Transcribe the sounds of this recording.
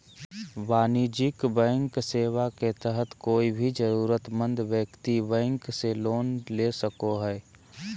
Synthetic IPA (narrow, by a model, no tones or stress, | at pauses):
ʋaːnid͡ʒɪkbɛ̃ːŋkseːwaket̪əɦət̪koːibʱid͡ʒəɾuːɾət̪mə̃nd̪wjəkt̪ibɛ̃ːŋkseloːnlesəkoɦɛː